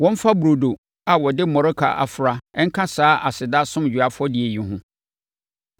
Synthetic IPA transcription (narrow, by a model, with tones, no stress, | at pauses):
wɔ̃˦m˦fa˦bu˨ɾo˨do˨ | a˨wɔ˨dɪ˦mɔ̃˨ɾʊ˦kʰa̰˨ʔa̰˨fʊ˨ɾa˨ɛ˦ŋ̩˦kʰã˦saː˦ʔa˨sɪ˨da˦sʊ̃˦m˨d͡ʑᶣɥa˦fʊ˦ɔ˦dɪ˨e˨jĩ˨ɦʊ̃˦